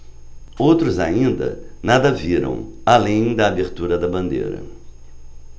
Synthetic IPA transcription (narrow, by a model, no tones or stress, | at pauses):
owt̪ɾʊza̰ĩnd̪ɐ̰nad̪ɐviɾɐ̰̃w̃alẽj̃d̪ɐːbeɾt̪uɾɐd̪ɐbɐ̃nd̪ḛɾɐ̰